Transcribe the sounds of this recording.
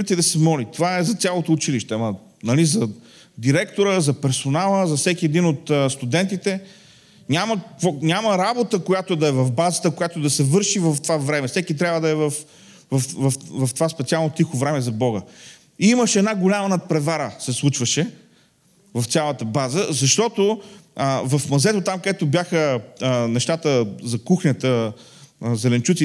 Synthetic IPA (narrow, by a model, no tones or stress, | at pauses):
it̪id̪ɐsɛmɔlit̪ovaɛzɐt̪ʲjalˠot̪oːt͡ʃiliʃt̪ɛɐmɐ | nɐlizɐ | d̪iɾɛkt̪oɾəzɐpɛɾsonalˠəzɐfsɛkʲiɛd̪inot̪əst̪ʊd̪ɛnt̪it̪ɛ | ɲʲaməkonʲaməɾabot̪əkojat̪oɛd̪ɐɛvɐvbazət̪əkojat̪od̪ɐsɛvɤɾʃivɐft̪ovavɾɛmɛfsɛkit̪ɾʲabvəd̪ɐɛvɐf | vɐfvɐfvɐft̪ovaspɛt̪sialˠnot̪ixovɾɛmɛzɐbɔɡə | iiməʃɛɛd̪naɡolʲamənɐpɾɛvaɾəsɛslˠut͡ʃvəʃɛ | vɐft̪ʲalˠət̪əbazəzɐʃt̪ɔt̪oəvɐfmɐzɛt̪ot̪amkəd̪ɛt̪objaxənɛʃt̪at̪əzɐkuxnʲət̪ə | zɛlɛnt͡ʃut̪si